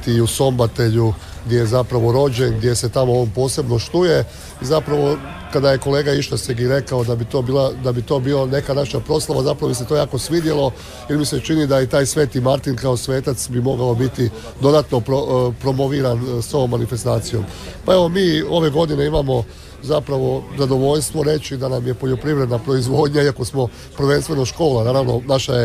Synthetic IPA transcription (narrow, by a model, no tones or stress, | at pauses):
t̪iuso̞mbat̪eʎu | ɡd̪ʲje̞jezapɾaʋo̞ɾo̞d͡ʑe̞nɡd̪je̞se̞t̪amo̞oːnpo̞ːse̞bno̞ʃt̪uje̞ | izapɾaʋo̞ | kad̪aje̞ko̞le̞ːɡaiʃt̪aseɡiɾe̞kaod̪abit̪o̞ːbiːlˠad̪abit̪o̞ːbiːone̞kanaʃapɾo̞slˠaʋazapɾaʋobise̞t̪o̞jaːko̞sʋid̪jelo̞ | jeɾmise̞t͡ʃinid̪ajit̪aːjsʋe̞ːt̪imaɾt̪inkaosʋe̞ːt̪at̪sbimo̞ɡao̞bit̪i | d̪o̞d̪at̪no̞pɾopɾo̞mo̞ʋiɾanso̞ʋo̞mːanife̞st̪aːt̪sijo̞̰mpae̞ʋo̞miːo̞ʋe̞ɡo̞d̪ine̞imamo̞ | zapɾaʋo̞zad̪o̞ʋo̞ʎst̪ʋo̞ɾe̞t͡ʃid̪anamje̞po̞ʎo̞pɾiʋɾe̞d̪napɾo̞izʋo̞ːd̪ɲaiako̞smo̞ | pɾ̩ʋe̞nst̪ʋe̞noʃko̞ːlanaːɾaːʋno̞̰naʃaje